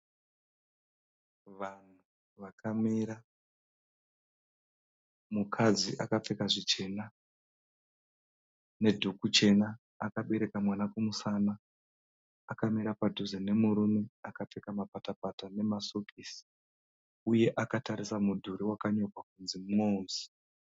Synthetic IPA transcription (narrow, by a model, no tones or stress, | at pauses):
ʋan̤u | ʋakʰamiɾa | mukʰad͡ziʔakap͡fe̞kaʐit͡ʃe̞na | ne̞dʱukut͡ʃe̞naː | kaɓe̞ɾe̞kamwanakumusanaː | kamiɾapadʱuzene̞muɾume̞akap͡fe̞kamapatapatane̞masokʰisi̥ | uje̞ʔakataɾisamudʱuɾiwakaɲo̞kwakunzimŋonzi̥